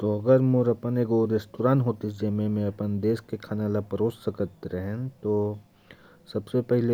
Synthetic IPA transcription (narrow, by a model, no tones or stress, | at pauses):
t̪oɐɡəɾmoɾɐpəneːkoɾesʈoːɾaːnɦoːt̪id͡ʒemẽmẽɐpənd̪eːskekʰaːnalapɐɾoːssɐkət̪ɾɛɦɛ̃t̪oː | sɐbsepɛɦɪle